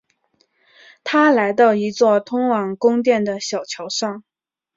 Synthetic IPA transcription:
t̪ʰa˥la˧˥ɪt̪̬ɑ˥˩ʊi˧˥t͡swɔ˥˩t̪ʰʊ˥ŋwɑ˨˩ŋkʊ˥ŋt̪̬jɛ˥˩nd̪ə˩ɕjɑ˨˩ʊt͡ɕʰjɑ˧˥ʊʂɑ˥˩ŋ

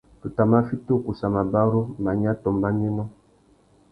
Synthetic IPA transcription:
tu˨ta˨ma˦fi˦to˦˨ku˨sa˨ma˨ba˦ɾo˦ma˨ɲ˦a˦tɔ˨mba˦ɲi˦mɔ˦

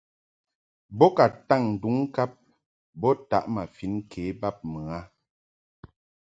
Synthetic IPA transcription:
bɔ˦ka˨ta˦˨ŋn̩˨du˨˦ŋ˦ka˦p̚ | bɔ˦ta̰˨˦ʔma˨fi˨˦n˦kʰeː˨˦ba˦p̚mɨ˨a˦

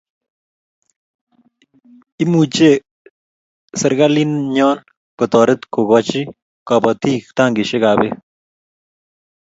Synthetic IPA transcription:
i˦mu˨t͡ʃe˦˨ | sɪ˨ɾɡa˦li˦nɲɔ˦n | kʊ˨t̪ɔ˨ɾɪ˦t̪ko˨ɡɔ˨t͡ʃi˦ | kɔ˨bɔ˨t̪iː˦kt̪a˦˨ŋɡɪ˨ʃe˦ka˨bɛ˦

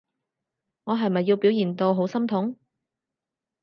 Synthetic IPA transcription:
ŋɔː˨˧ɦɐ˨jmɐ˨jːiː˧wpi˨˥wjiː˨˩nt̪o˧wɦo˨˥wsɐ˥mt̪ʰʊ˨˥ŋ

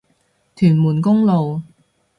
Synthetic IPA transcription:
t̪ʰyː˨˩nmuː˨˩nkʊ˥ŋlo˨w

